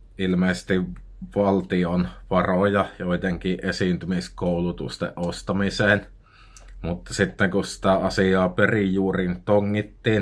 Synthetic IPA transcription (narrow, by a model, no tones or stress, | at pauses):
ilmeːˑsst̪iʋ | ʋɑlt̪ionʋɑrojɑjoit̪eŋkiːʔʔesiːˑnt̪ymiskoulut̪ṵst̪ḛʔʔost̪ɑmiseːn | mut̪ːɑsit̪ːeŋkussi̥t̪æɑsiɑːperijjuːrint̪oŋːit̪ːiːn